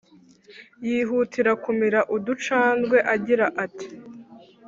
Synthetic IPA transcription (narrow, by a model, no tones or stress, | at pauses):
jiːɦutʰiɾakumiɾaʔudut͡ʃaːnɡwe̞ʔaɟiɾaʔati̥